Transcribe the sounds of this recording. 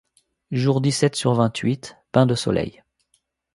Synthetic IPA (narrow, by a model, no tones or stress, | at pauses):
ʒuʁd̪isɛt̪syʁvɛ̃t̪ɥit̪pɛ̃d̪əsɔ̰lɛ̰j